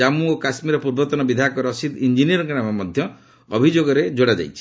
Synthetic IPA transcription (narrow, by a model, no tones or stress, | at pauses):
amuokasmiɾɔpuɾbɔt̪ɔnɔbid̪ʱakɔɾɔsit̪ind͡ʒiniɔɾɔknamamɔd̪ʱjɔ | ɔbʱid͡ʒoɡɔɾed͡ʒoɽad͡ʒa̰jt͡ʃʰi̥